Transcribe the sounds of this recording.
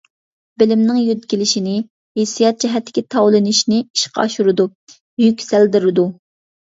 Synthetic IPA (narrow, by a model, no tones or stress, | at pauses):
bɪlɪmnɪŋjyd̪ɡʲilɪʃinɪ | hesijɑt̪̚d͡ʒɛɦɛt̪ːɪ̥kʲɪt̪ʰɑwlˠɨnɪʃnɪiʃqʰɑ̰ɑʃuɾɨd̪u | jykʲsæld̪ɪɾɨd̪u